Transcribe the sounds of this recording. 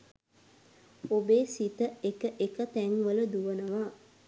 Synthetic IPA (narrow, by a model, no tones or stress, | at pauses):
obeːsit̪əekəʔekət̪æŋʋələd̪uʋənəʋaː